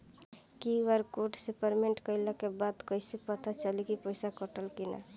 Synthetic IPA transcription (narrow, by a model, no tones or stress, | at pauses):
kiʋəɾkoʈsepəɾmeɳʈkəɪləkebad̪kəɪsepət̪ʰat͡ʃəlikipəɪsakəʈəlkina̰